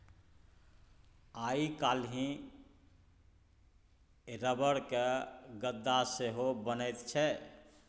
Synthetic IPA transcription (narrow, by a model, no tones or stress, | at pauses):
aikalɦĩ | ɾəbəɽkeɡəd̪ːaseɦobənəjt̪t͡ʃʰɛ